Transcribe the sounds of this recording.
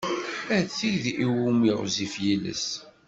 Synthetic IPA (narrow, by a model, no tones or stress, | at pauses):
æt͡sːiʝðiwumiʁzifjilə̰s